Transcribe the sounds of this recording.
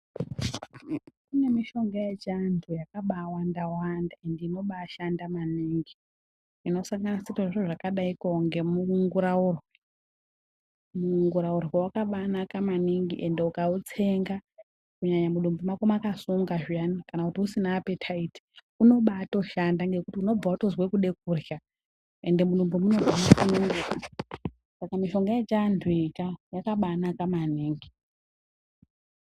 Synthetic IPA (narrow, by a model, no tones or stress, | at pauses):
kune̞miʃo̞ŋɡajet͡ʃantʰujakaɓaːwandawandae̞ndino̞ɓaːʃandamaniːŋɡi | ino̞saŋɡanasetoʐiʐoʐakaɗaikoŋɡe̞muŋɡuɾaurwe | muŋɡuɾaurwewakaɓanakamaniŋɡiʔe̞ndeukaut͡se̞ŋɡa | kuɲaɲamuɗumbomakomakasuŋɡaʒijanikanakutiusinaːpe̞tʰaiti̥ | uno̞ɓato̞ʃandaŋɡe̞kutiuno̞b͡vautozwekuɗe̞k̚urja | e̞ndemuɗumbomuno̞d͡zanakunuŋdea | sakamiʃo̞ŋɡaet͡ʃandʱwikajakaɓanakamaniːŋɡi